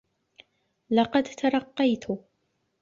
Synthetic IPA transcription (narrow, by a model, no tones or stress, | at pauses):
lɐqɑd̪t̪ʰɐɾɐqːɑjt̪ʰu